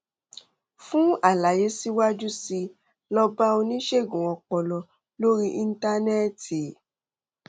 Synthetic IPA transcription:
fũ˦a˦˨la˨je˨˦si˦wa˦d͡ʒu˦si˧ | lɔ˧ba˦o˧nĩ˦ʃe˦˨ɡũ˨ɔ̃˨˧k͡pɔ˧lɔ˧ | lo˦ɾi˦ʔi˧n̩˦ta˧nɛ˦ti˨

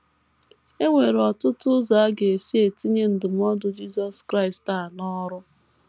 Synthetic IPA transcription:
e˦ŋʷe˨ɾɔ˨tʊ˦tʊ˦za˨a˦ɡe˨e˨si˦e˨ti˦ɲe˦n̩˨dɪ˨m̩˦ɔ˦dʊ˦d͡ʒi˦sɔ˨skɾa˦ɪ˨sta˨nɔ˦ɾʊ˦

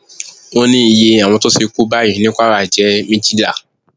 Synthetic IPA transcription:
wo˦nĩ˦˨je˧a˨w̃ɔ̃˧to˦si˧ku˦ba˦i˨nĩ˦kʷa˦ɾa˦˨d͡ʒɛ˨˦mĩ˦d͡ʒi˦da˦˨

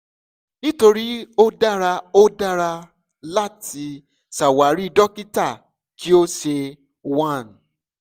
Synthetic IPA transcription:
nĩ˦to˧ɾi˦o˦da˦ɾa˧o˦da˦ɾa˧ | la˦tʰi˧ | sa˨wa˨ɾi˦i˧dɔ˦ki˦ta˦˨ | ki˦o˦ʃe˧ | wã˦˨n

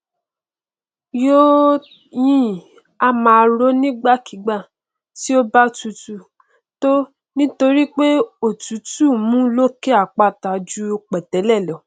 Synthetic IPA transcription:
jo˦ | jĩ˦ | a˧mã˧ɾo˦nĩ˦ɡ͡ba˦˨ki˨˦ɡ͡ba˦˨ | ti˦o˦ba˦tu˨˧tu˦˨ | to˦ | nĩ˦to˧ɾi˦k͡pe˦o˦˨tu˨˦tu˦˨mũ˦lo˦ke˦a˦˨k͡pa˧˨ta˨d͡ʒu˦o˧k͡pɛ˨tɛ˨˦lɛ˦˨lɔ˨˦

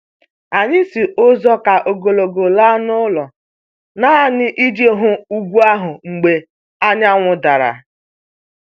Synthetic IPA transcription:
a˨ɲɪ˦si˨ʔʊ˦zɔ˦ka˨ʔo˨ɡo˨lo˨ɡo˨la˦nʊ˦lɔ˨ | na˦nɪ˦ʔi˦d͡ʒe˦ɦʊ˦u˦ɡʷu˦a˦ɦʊ˨ŋ͡m̩˨ɡ͡be˨ | a˦ɲa˦ŋʷʊ˨da˨ɾa̰˨

